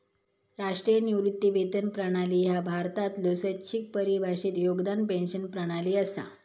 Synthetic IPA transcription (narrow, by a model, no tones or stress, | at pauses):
ɾaʂʈɾijəniʋɾit̪ːiʋet̪ənpɾəɽ̃aliːjabʱaɾt̪at̪losət͡ɕik̚pəɾibʱaɕiːt̪joɡd̪anpẽnɕənpɾəɽ̃aliːəsa̰